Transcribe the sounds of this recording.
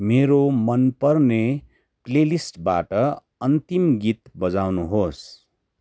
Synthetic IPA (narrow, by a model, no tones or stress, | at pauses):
meɾomʌnpʌrne | klelisʈba̰ʈʌ | ʌnt̪imɡit̪bʌd͡zawnuɦos